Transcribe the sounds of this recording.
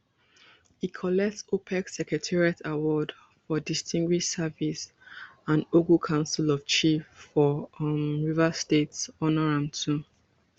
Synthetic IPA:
hikʰɔlɛk̚tsopʰɛksɛkɹɛtʰɛɹiatʰawɔd | fɔdistʰĩŋɡwiʃsavis | ãnoɡukʰãʊ̃nsilɔv̥t͡ʃifːɔmɹivastetsɔnɔɹãmtʰu

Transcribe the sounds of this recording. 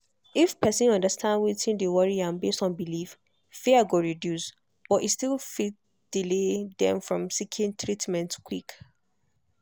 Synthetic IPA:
ifpʰɛsĩnɔ̃ndəstʰãndwitĩndewɔɹiãnbestɔ̃nbilif | fiəɡoɹidjus | b̥ɔtitstilfit | d̥iledɛ̰̃mfɹɔ̃msikʰĩntʰɹitmɛ̃ntkʰwik

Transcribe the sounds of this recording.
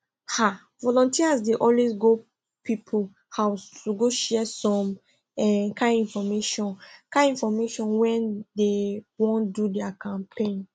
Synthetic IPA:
ha | vɔlɔ̃ntiasdeʔɔlwezɡo | pipʰo | haʊstuɡoʃɛsɔ̃m | ɛkãĩnfɔmeʃɔ̃nkãĩnfɔmeʃɔ̃nwɛ̃ndewɔ̃ndudɛakʰãmpʰẽn

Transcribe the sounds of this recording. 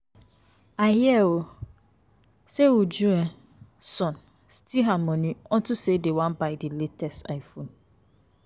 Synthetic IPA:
ahɪɛwo | sewod͡ʒuɛ̃ | sɔ̃n | stʰiɦamɔ̃nĩɔ̃ntʰʊsedewãnbaɪdiletʰɛsta̰ɪfõn

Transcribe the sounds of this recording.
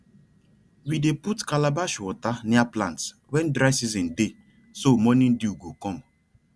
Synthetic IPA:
wideputkalabaʃwɔtaniaplãnts | wɛn̩dɾasizĩnde | somɔnĩn̩diuɡokɔm

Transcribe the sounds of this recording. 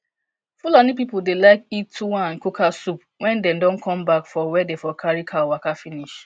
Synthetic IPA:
fulɔnipipuldelaɪkitːuwããnkukʰasup | wɛ̃ndɛ̃mdɔ̃nkʰɔ̃mbakfɔwɛdefɔkʰaɹikʰawakafiniʃ

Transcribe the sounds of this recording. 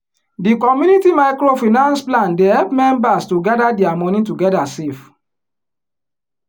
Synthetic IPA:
dikɔmjunitimaɪkɹofinãnsplãndehɛlpmɛ̃mbastuɡadadiamɔ̃nĩtuɡɛdasef

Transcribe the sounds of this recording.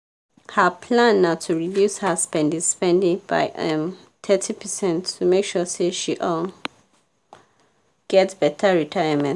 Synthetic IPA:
həpʰlãnːaʊtʰuɹidjushəspɛ̃ndĩspɛ̃ndĩŋb̥a̰ɪʔʌ̃m | tʰɛtʰipʰəsɛ̃ntːumekʃɔseʃiʔɔl | ɡ̥ɛtsb̥ɛtʰəɹitʰaɪəmɛ̃n

